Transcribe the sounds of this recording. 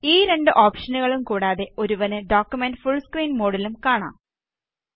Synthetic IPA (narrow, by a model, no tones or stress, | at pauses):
iːɾe̞ɳɖɨʔoːpʂɐnuɣɐɭumkuːɽaːðe̞o̞ɾuʋɐnɨɖoːkjumenɖɨfuɭːskriːnmo̞ːɽɐlumkaːɳa̰ː